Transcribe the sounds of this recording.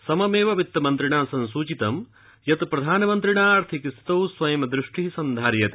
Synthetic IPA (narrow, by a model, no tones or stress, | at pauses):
sɐmɐmeːʋɐʋit̪ːɐmɐnt̪ɾiɳaːsɐnsuːt͡ʃit̪ɐm | jɐt̪pɾɐd̪ʱaːnɐmɐnt̪ɾiɳaːɐɾt̪ʰikist̪ɐwsʋɐjɐmɐd̪ɾiʂʈisɐnd̪ʱaːɾjɐt̪e